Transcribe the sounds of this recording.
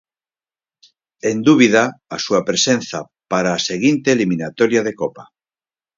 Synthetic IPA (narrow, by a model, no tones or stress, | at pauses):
end̪uβið̞aːsuapɾesẽnθa | paɾaːseɣ̞int̪eːlimĩnat̪oɾjaðekopa